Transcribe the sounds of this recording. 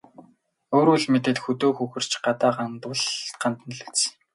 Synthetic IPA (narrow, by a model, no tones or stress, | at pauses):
oːɾuɮmet̪ɘ̆t̪xɵt̪oːxɵxɘ̆r̥t͡ɕɢat̪aːɢant̪ʊ̆ɮɢant̪ə̆nɮɘ̆kt͡s